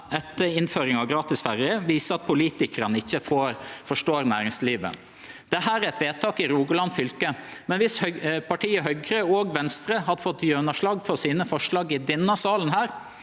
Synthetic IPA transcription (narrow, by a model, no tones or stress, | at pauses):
ɛt̪ːəɪnføːɾɪŋɑʋɡɾɑːt̪ɪsfæɾɪəʋiːsəɑt̪̚pʰʊliːt̪ɪkəɾənəɪçːəfoːɾfɔʂʈoːɾnæːɾɪŋsliːʋə̰ | d̪̥ɛɦæːɾæɾɛt̪ʋeːt̪ʰɑːkɪɾuːɡəlɑnfʏlkəmɛnʋɪshpʰɑʈʰiːəɦœɡɾəɔɡʋɛnst̪ɾəhɑd̪fɔt̪ːjønəʂlɑːɡfɔɾsiːnəfɔʂɭɑːɡɪd̪ɪnːɑsɑːlən̩hæːɾ